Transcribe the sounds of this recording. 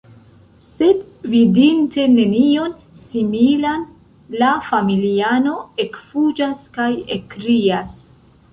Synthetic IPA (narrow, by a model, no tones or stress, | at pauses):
se̞d | vidinte̞ne̞nio̞n | similan | lafamiliano̞e̞kfud͡ʒaskajekɾias